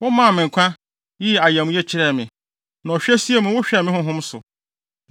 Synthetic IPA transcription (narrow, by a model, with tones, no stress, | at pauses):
wʊ˦mã˦˨mɪ̃˨ŋ˨kʷʰã˦ | jɪ˦˨a˨jæ˨mũ˦jɛ˦t͡ɕʰɪ˦ɾɛ˦˨mɪ̃˨ | nã˨ɔ˨ɕᶣɛ˦si˦e˦mũ˨˦wʊ˦ɕᶣɛ˦˨mɪ̃˦hʊ̃˦ɦʊ̃˦msʊ̰˨